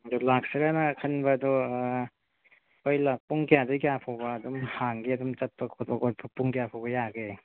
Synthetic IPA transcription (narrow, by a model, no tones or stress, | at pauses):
ɐdɔlak̚siɾanɐkʰɐnbɐːdɔ | ojlapuŋkijadɯjkijapʰawbɐːdumhaŋɡiɐdumt͡ʃɐt̚pɐkʰot̚bɐkot̚pʰɐpuŋkijapʰawbɐjaɡe